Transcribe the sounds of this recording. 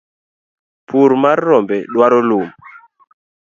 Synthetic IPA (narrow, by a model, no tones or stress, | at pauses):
pʰuɾmarːɔmbɛɗwaɾɔlum